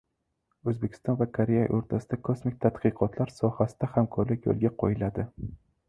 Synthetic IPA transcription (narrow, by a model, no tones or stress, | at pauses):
ɵzbekʲʰɪ̥st̪ɒnvakʰaɾeja̰ʔoɾt̪ʰasɪd̪akʰosmɪk̚ʲt̪ʰat̪qɨqʰɒt̪ʰlaɾsɒhasɪ̥d̪̥ahamkʰɒɾlɪkʲjo̰lˠɡʲaqʰojɪlad̪ɪ